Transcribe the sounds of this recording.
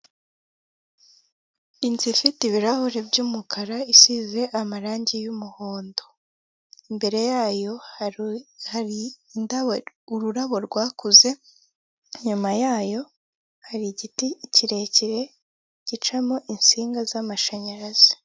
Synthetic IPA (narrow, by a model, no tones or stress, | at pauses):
inzifitiβiɾahuɾebɟuːmukʰaɾaisize̞ʔamaɾaːɲɟijumuho̞ːndo̞ | imbe̞ɾe̞jaːjo̞ | haɾinda | uɾuɾaβo̞ɾɡwaːkuze̞ | ɲumajaːjo̞ | haɾiɟiticiɾeciɾe̞ | ɟ̥it͡ʃamo̞ʔinsiːŋɡazamaʃaɲaɾaz̥i̥